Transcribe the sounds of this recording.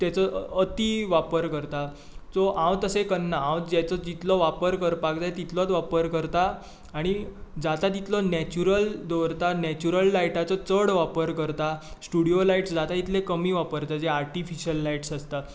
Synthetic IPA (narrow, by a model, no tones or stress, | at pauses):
t̪jat͡sɔət̪iʋapəɾkəɾt̪a | t͡sɔʔãwt̪əsekənːaãwd͡ʑat͡sɔd͡ʑit̪lɔʋapəɾkəɾpakd͡zajt̪it̪lɔt̪ʋapəɾkəɾt̪aː | ɽ̃id͡zat̪at̪̬it̪lɔnɛt͡ɕuɾəld̪ɔɾt̪anɛt͡ɕuɾəlːaiʈat͡sɔt͡səɽʋapəɾkəɾt̪asʈuɽiolaiʈsd͡zat̪ait̪lekəmiːʋapəɾt̪ad͡zeaɾʈifiɕiəlːaiʈsast̪a